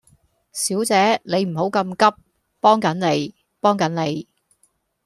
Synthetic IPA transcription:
siː˨˥wt͡sɛː˨˥ne˨˧jm̩˨˩ɦo˨˥wkɐ˧mkɐ˥p̚ | pɔː˥ŋkɐ˨˥nne˨˧j | pɔː˥ŋkɐ˨˥nne˨˧j

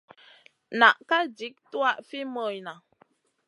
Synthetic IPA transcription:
na˨ʔka˦di˨˦k̚twa˦˨ʔfi˦mə˨jna˨

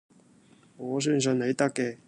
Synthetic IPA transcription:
ŋɔː˨˧s̬œː˥ns̬ɵ˨˧nne˨˧jt̪ɐ˥kːɛː˧

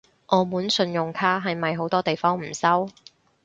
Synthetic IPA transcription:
ʔɔː˨˧muː˨˥nsɵ˧njʊ˨ŋkʰaː˥ɦɐ˨jmɐ˨jɦo˨˥wt̪ɔː˥t̪e˨jfɔː˥ŋm̩˨˩sɐ˥w

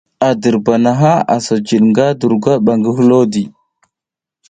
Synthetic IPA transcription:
a˨də˨ɾba˨na˨ɦa˦a̰˨so˨d͡ʒi˨ɗŋɡa˦du˨ɾɡa˦ɓa˨ŋɡə˦ɦu˦lo˦di˨

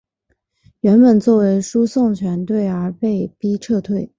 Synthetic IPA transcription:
ɥɛ˧˥npə˨˩nt͡swɔ˥˩we˧˥ɪʂu˥sʊ˥˩ŋt͡ɕʰɥɛ˧˥nt̪we˥˩ɪə˞˧˥pe˥˩ɪpi˥ʈ͡ʂʰɤ˥˧t̪ʰwe˥˩ɪ

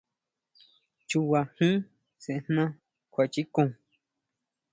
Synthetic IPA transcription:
t͡ʃu˧wa˧hĩ˦ | sẽ˨ʔn̥nã˦ | kʷa˨˧t͡ʃi˦kũ˧˨

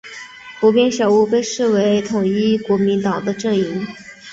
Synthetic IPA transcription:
pu˧˥pjɛ˥nʂjɑ˨˩ʊu˥˧pe˥˧ɪʂɻ̩˥˩we˧˥ɪt̪ʰʊ˨˩ŋi˥kwɔ˧˥mi˧˥nt̪ɑ˨˩ŋd̪ə˦ʈ͡ʂɤ˥˩ŋi˧˥ŋ

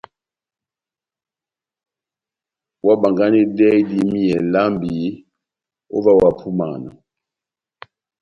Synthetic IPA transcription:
wa˦ba˨ŋɡa˦ni˦dɛ˦di˦mi˦jɛ˨la˦mbi˨ | o̰˦va˦wa˨pʰu˦ma̰˨na̰˨

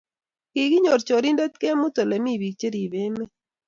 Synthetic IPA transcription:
ki˨ɡɪ˦ɲo˨ɾt͡ʃo˨ɾi˦ndɛ˦t̪ke˦mʊ˦t̪o˨le˨mi˦˨bi˨k̚t͡ʃe˦ɾi˨be˦me˦

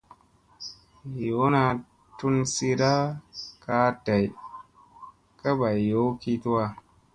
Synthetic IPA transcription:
jo˨˦na˧ | tu˦nsi˧ɾa˦ka˦da˨j | ka˦ba˨jo˨˦ki˧tu˦a˧

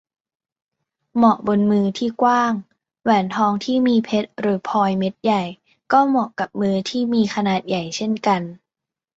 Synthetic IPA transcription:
mɔ˨˩ʔbo˧nmɯː˧t̪ʰiː˥˩kwaː˥˩ŋ | wɛː˩˦nt̪ʰɔː˧˥ŋt̪ʰiː˥˩miː˧pʰe˦˥t̪̚ɾɯː˩˦pʰɔː˧jme˦˥t̪̚ja˨˩j | kɔː˥˩mɔ˨˩ʔka˨˩p̚mɯː˧t̪ʰiː˥˩miː˧kʰa˧naː˨˩t̪̚ja˨˩jt͡ɕʰe˥˩nka˧n

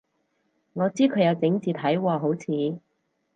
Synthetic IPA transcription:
ŋɔː˨˧t͡siː˥kʰɵ˨˧jɐ˨˧wt͡sɪ˨˧˥ŋt͡siː˨˧t̪ʰɐ˨˥jwɔː˧ɦo˨˥wt͡sʰiː˨˧

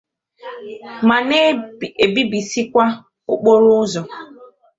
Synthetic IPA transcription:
ma˨ne˦˨e˨bi˦bi˨si˦kʷa˦ | ʊ˦k͡po˦ɾʊ˦zɔ˨

